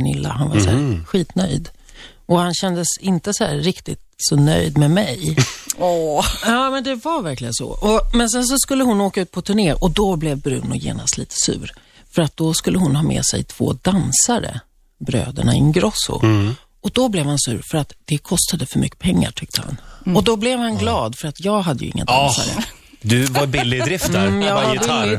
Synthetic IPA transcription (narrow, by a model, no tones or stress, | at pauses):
nɪ̰lːa̰hanvasæɾɧiːt̪nœ̰jd̪ | ʔɔhanɕɛnd̪əsɪnt̪əsɔhæːɪkt̪ɪt̪sɔnœ̰jd̪mɛmɛjɔːjɑːmɛnd̪ɛvavæɾklɪɡənsɔ̰ʔɔmɛns̬ɛns̬ɔskɵlːəhʊnoːkaʉ̟ːt̪̚pʰɔt̪ʰɵɳeːɾʔɔd̪ɔblɛvbɾʉ̟ːnɔjḛːnast̪liːt̪ʰə̥sʉ̟ːɾ | fœɾat̪̚d̪ɔskɵlːəɦʊnɦɑːmɛ̰ːsɛ̰jt̪ʰv̥o̰ːd̪ansaɾə̰ | bɾø̰ːd̪ə̰ɳaɪnɡɾɔsʊ̰ | ɔd̪ɔblɛvhansʉ̟ːɾfœɾat̪d̪̥ɛkʰɔst̪ad̪əfœɾmʏkːə̥pʰɛŋːa̰ʈʰʏk̚t̪ʰəha̰nɔd̪ɔblɛvhanɡlɑːd̪fœɾat̪jɑːɡɦad̪ːəjɵ̰ɪ̰ŋːa̰d̪ansa̰ɾə̰ | d̪ɵvabɪlːɪd̪ɾɪft̪jɑlːɪ